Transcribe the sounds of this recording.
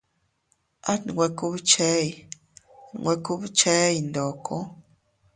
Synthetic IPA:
a˦˨ɡwɛ˨ku˦bt͡ʃɛ˦i˨ | ŋwɛ˨ku˦bt͡ʃɛ˦i˨ndɔ˨kʰɔ˦

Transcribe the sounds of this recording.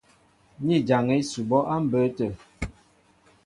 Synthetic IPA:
ɲi˦˨d͡ʒa˨ŋɛ˦su˨bɔ˦ʔa˦m̩˦bə˨˦tə˨

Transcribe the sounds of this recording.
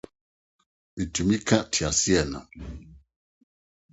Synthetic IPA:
mi˨tu˨mi˦kã˦ʔtʰi˨a˨si˦ɛ˦˨na̰˨

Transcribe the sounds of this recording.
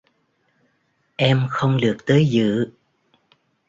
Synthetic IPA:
ʔɛ˧mxə˧wŋ͡mlɨ˨˩ək̚t̪əː˨˦jzɨ̰˧˨

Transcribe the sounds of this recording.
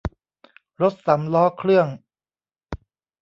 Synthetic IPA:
ɾo˦˥t̪̚sa˩˦mlɔː˦˥kʰɾɯ˥˩əŋ

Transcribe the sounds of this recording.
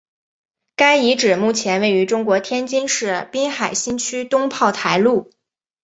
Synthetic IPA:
ka˥ɪi˧˥ʈ͡ʂɻ̩˨˩mu˥˩t͡ɕʰjɛ˧˥nwe˥˩ɪy˧˥ʈ͡ʂʊ˥ŋkwɔ˧˥t̪ʰjɛ˥nt͡ɕi˥nʂɻ̩˥˩pi˥nxa˨˩ɪɕi˥nt͡ɕʰy˥t̪ʊ˥ŋpʰɑ˥˩ʊt̪ʰa˧˥ɪlu˥˩

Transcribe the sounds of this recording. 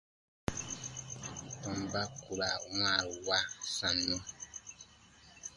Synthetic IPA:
tɔ̃˨mba˦ku˨ba˨˦wa˦˨wa˦sã˨nːɔ˦

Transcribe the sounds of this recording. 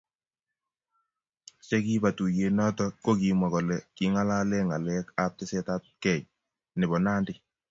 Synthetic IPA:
t͡ʃɛ˦ki˦ba˨tu˨je˨nɔ˦tɔ˦ko˦ki˨ma˨kɔ˨lɛ˨ki˨ŋa˦la˦lɛ˦ŋa˨lɛ˦ka˦p̚tɪ˦sɛ˦ta˦t̚kɛ˦˨j | nɪ˨bɔ˨naː˦ndɪ˦

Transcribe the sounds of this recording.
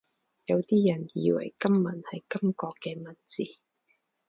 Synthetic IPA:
jɐ˨˧wt̪iː˥jɐ˨˩njiː˨˧wɐ̰˨˩jkɐ˥mːɐ˨˩nhɐ˨jkɐ˥mkɔː˧kːɛː˧mɐ˨˩nt͡siː˨

